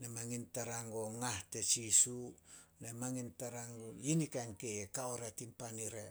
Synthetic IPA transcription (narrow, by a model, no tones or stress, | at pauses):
namaŋintaɾaŋoŋahtet͡ʃisunamaŋintaɾaŋojinikankejekaoɾatimpaniɾe